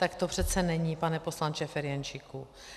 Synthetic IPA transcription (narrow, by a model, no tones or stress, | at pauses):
t̪akt̪opr̥ɛt̪t͡sɛnɛɲipanɛpo̞slant͡ʃɛfɛɾjɛnt͡ʃiku